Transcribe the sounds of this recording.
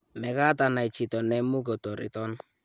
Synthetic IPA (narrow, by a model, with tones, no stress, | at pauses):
mɛ˨ka˦ta˨na˨i˨t͡ʃi˨tɔ˨nɛ˦mu˦k̬ɔ˨tɔ˨ɾḭ˨tɔ˦n